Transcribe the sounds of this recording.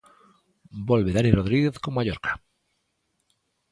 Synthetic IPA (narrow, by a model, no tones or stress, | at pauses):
bolβeðaniroðɾiɣeθkomaʎoɾkḁ